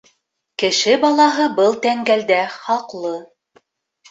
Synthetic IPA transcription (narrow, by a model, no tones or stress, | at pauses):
kɘ̆ʃɘbɑlˠɑɦɤbɤlˠt̪æŋɡæld̪æχɑqlˠɤ